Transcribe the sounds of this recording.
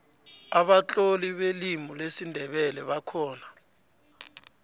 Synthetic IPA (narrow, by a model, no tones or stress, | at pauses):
aɓat͡ɬʼoliɓelimulesindʱɛɓɛlɛɓakʰɔːna